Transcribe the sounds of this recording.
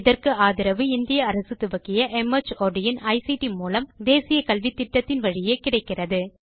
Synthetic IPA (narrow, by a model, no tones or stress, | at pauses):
ɪðɐrkɯaːðɪɾɐʋɯɪnd̪ɪjɐːɾɐsɯt̪ːʊʋɐkːɪjɐʔɛmɐt͡ʃoːɖɪjɐnɐɪsiʈimuːlɐmd̪eːsɪjɐkɐlʋiʈt̪ːɪʈːɐt̪ːɪnʋɐɻɪjeːkɪɽɐɪkːɪrɐðɯ